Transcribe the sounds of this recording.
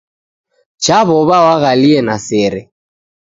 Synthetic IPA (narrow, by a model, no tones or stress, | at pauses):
t͡ʃaβɔβawaɣaliɛnasɛɾɛ